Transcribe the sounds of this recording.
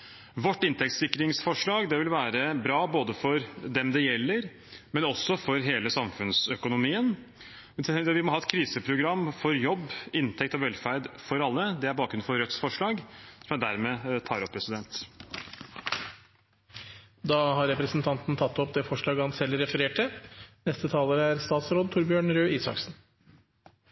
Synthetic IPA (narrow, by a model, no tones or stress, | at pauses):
ʋɔʈːɪnt̪ɛk̚t̪sɪkːɾɪŋsfɔʂɭɑːɡd̪ɛʋɪlʋæːɾəbɾɑːboːd̪əfɔɾd̪ɛmd̪ɛjɛlːəɾ | mɛnɔsːɔfɔɾɦeːləsɑmfʉnsœkʊnʊmiːən | ʋɪmɔɦɑːɛt̪̚kʰɾiːsəpʰɾʊɡɾɑmːfɔɾjɔbːɪnt̪ʰɛkt̪ɔʋɛlːfæɾd̪fɔɾɑlːəd̪ɛæɾbɑːkɾʉnfɔɾœt̪sfɔʂɭɑːɡsɔmjæd̪æɾmɛt̪ʰɑːɾɔpʰːɾɛsɪd̪ɛnt̪ | d̪ɑːhɑɾɛpɾəsnt̪ʰɑnt̪n̩t̪ʰɑt̪ːɔpd̪ɛːfɔʂɭɑːɡəhɑnsɛlɾɛfəɾeːʈənɛst̪ət̪ʰɑːləɾəæɾst̪ɑːt̪sɾoːd̪t̪ʊɾbjøːɳɾøːiːsɑ̰ksn